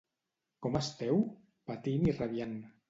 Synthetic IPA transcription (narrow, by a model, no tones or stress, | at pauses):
kɔmast̪ɛw | pat̪iniraβjan